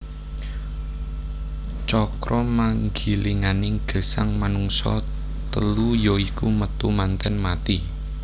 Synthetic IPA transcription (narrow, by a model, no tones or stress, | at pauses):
t͡ʃɔkɾɔmaŋɡi̤liŋanɪŋɡ̥ə̤saŋmanuŋsɔ̰ | t̪əlujɔikumət̪umant̪ɛnmat̪i